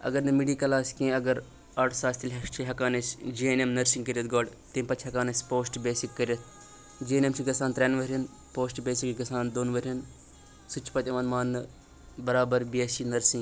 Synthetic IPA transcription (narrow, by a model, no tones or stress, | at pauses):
ɐ̰ɡɐɾnɨmiɖiːkɐlaːsʲkẽːɐɡɐɾ | ɐːʈʰsaːsʲt̪ʰilʲɐt͡ʃʰilʲɦɐkaːnɐsʲd͡ʒiːenemnɐɾsĩŋkɐɾʲjɐt̪̚ɡoːɖt̪eːmʲpɐt͡ʃʰɦɐkaːnɐsʲpoːsʈbeːsikːɐɾɐt̪ʰ | d͡ʒiːnemt͡ʃʰiɡɐsaːnt̪ɾʲenʋɐɾʲɐn | poːsʈbeːsikɡɐsaːnd̪oːnʋɐɾʲɐn | sut͡ʃʰpɐt̪ʲɐʋaːnmaːnːɨ | bɐɾaːbɐɾbesinɐɾsĩŋɡ